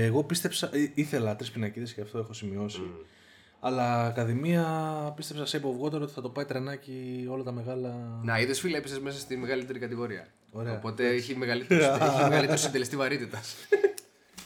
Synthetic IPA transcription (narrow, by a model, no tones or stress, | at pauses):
eɣo̞pist̪e̞psɐiθe̞lɐt̪ɾispinɐciðesceɐft̪o̞exo̞simio̞si | ɐlɐkɐðimiɐpist̪e̞psɐsepovɣo̞t̪e̞ɾoot̪i̥θɐt̪o̞pɐit̪ɾe̞nɐcio̞lɐt̪ɐme̞ɣɐlɐnɐiðesfilepisezmes̬ɐst̪imeɣɐlit̪e̞ɾikɐt̪iɣo̞ɾiɐ̰ | o̞ɾeoɐpo̞t̪eiçimeɣɐlit̪eeɣɐlliteɾosind̪elest̪ivɐɾit̪it̪ɐs